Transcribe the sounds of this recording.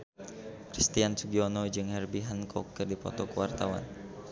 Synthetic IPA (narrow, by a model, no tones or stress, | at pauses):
kɾist̪iansuɡiɔnɔd͡ʒɨŋhɛrbiɦankʰɔkːɨrdipɔ̰t̪ɔkəwart̪awa̰n